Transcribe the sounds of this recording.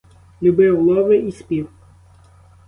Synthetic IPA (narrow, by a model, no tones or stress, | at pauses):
lʲubɪwlˠɔʋɪispʲiw